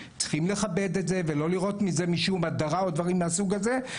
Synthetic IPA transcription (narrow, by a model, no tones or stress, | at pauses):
t͡sχimle̞χabe̞d̪etze̞ve̞lo̞liʁo̞tmizemiʃumad̪aʁaod̪vaʁimːeasuɡaze̞